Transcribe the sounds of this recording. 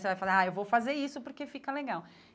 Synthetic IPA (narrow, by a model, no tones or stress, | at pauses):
sevajfalaɾaewvowfazeɾisʊpoɾkefikɐleɡaw